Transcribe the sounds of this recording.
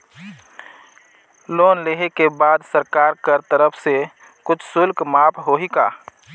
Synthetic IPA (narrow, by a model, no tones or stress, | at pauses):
loːnleɦekebaːd̪səɾkaːɾkəɾt̪əɾəpʰse | kʊt͡ʃʰsʊlkmaːpʰɦoɦika̰ː